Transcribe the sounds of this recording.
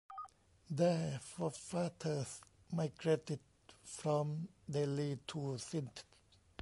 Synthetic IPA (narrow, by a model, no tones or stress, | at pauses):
d̪əfɔfat̪ʰəs | maɪɡɹetɪd̚ | fɾɔ̃md̪elit̪ʰusĩnt